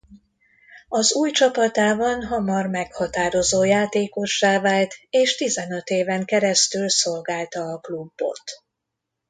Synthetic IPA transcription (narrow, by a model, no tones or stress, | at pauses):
ɒzuːjt͡ʃɒpɒt̪aːbɒnɦɒmɒrmɛkhɒt̪aːɾo̞zoːjaːt̪eːko̞ʃːaːvaːlt̪eːʃt̪izɛnø̞t̪eːvɛŋkɛɾɛst̪ylso̞lɡaːlt̪ɒːklubːo̞̰t̪